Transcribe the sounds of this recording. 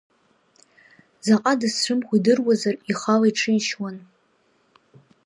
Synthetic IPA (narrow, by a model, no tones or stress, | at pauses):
zaqʼadɨsʈ͡ʂʷɨmχʷidɨrwazariχalaiʈ͡ʂʰɨiʃwan